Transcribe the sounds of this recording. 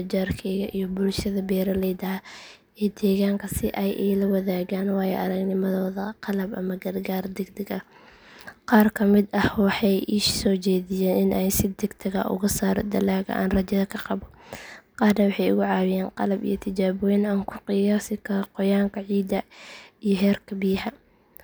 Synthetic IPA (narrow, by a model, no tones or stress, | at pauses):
d͡ʒaːrkʰɛjɣɐʔijɔbʊlʃɐðɐbɛːɾɐlɛjd̪ɐɦ | ɛːd̪ɛːɣaːŋkʰɐsɪʔɛjʔɛlɐwɐðaːɣaːnwɑːjɛʔɐɾɐɡnɪmɐðɔːðɐqɑlɐbʔɐ̰mɐɡɐrɡaːrd̪ɛɡd̪ɛɡɐ | qɑːrkʰɐmɪd̪ɐhwɑħɑjʔɪʃsɔːt͡ʃɛːðɪjɛːnɪnʔɛjsɪd̪ɛɡd̪ʰɐɣɐ̰ʔʊ̰ɣʊsaːɾd̪ɐlaːɣɐ̰ʔa̰ːnrɐt͡ʃɐðɐkʰɐqɑβɔqɑːrnɐwɑħɑjʊ̰ɣʊʕɑːwɪjaːnqɑlɐbḭjɞt̪ʰɪt͡ʃaːβɔːjɪnɐːŋkʰʊqɪjaːsɪkʰɐɾɔqɔjaːŋkʰɐʕiːd̪ɐijɔɦɛːrkʰɐbiːħɐ